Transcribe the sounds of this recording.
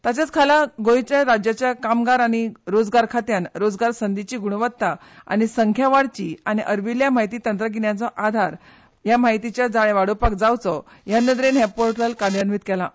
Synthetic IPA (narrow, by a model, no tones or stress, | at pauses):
t̪at͡ɕjat͡skʰalaɡojt͡ɕaɾad͡ʑjat͡ɕjakamɡaɾaɽ̃iɾod͡zɡaɾkʰat̪janɾod͡zɡaɾsənd̪it͡ɕiːɡuɽʋət̪ːa | a̰ɽ̃isəŋkʰjaʋaɽt͡ɕiañiʔəɾʋiljamaɦjt̪iːt̪ənt̪ɾəɡiɳjat͡sɔʔad̪ʱaɾ | jamajt̪it͡ɕjad͡zaɭẽʋaɽopak̚d͡zawt͡sɔ | janːəd̪ɾenɦɛpoɾʈəlkaɳjanʋiːt̪kɛla